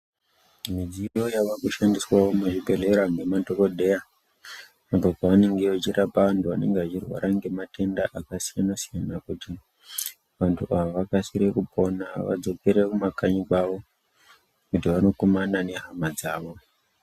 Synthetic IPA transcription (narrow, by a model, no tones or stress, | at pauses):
mid͡ziro̞jaʋakuʃandiswawomuʐibʱe̞re̞ɾaŋɡe̞mato̞ko̞ɗʱe̞ja | mabokaʋane̞ŋɡe̞ʋat͡ʃirʔapaʋantuʋane̞̰ŋɡeʋat͡ʃirwa̰ɾʔaŋɡe̞matʰe̞ndaʔakasijanasijanakuti | ʋantʰuʔaʋoʋakasiɾekupʰo̞naʋa̰d͡zo̞peɾekumakaɲikwaʋo̞ | kutiʋano̞komanane̞ɦamad͡zaːʋo̞